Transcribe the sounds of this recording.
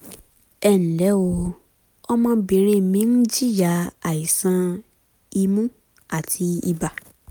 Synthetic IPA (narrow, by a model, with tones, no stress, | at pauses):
ɛ˦˨ñ̩˨lɛ˨˦o˧ | ɔ˦mã˦bi˨ɾ̃ĩ˦˨mĩ˨˦n̩˦d͡ʒi˦˨ja˨˦a˨i˨sã˧˦ | i˧mũ˦ | a˦˨tʰi˧i˧ba˨